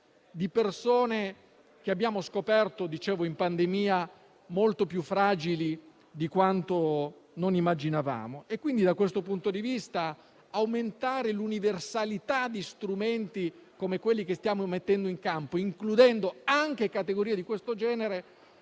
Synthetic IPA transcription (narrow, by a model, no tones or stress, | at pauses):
d̪ipersoːne | k̟eabːjaːmoskopɛrt̪od̪it͡ʃɛːvoimpand̪emiːa | molt̪opjufːɾaːd͡ʒili | d̪ikwant̪ononimːad͡ʒinava̰ːmoekːwind̪id̪akwest̪opunt̪od̪ivist̪aː | wment̪aːɾeluniversalit̪ad̪ist̪ɾument̪ikomekwelːikest̪jaːmomet̪ːɛnd̪oiŋkampoiŋklud̪ɛnd̪oaŋk̟ekat̪eɡoɾiːed̪ikwest̪od͡ʒɛːneɾe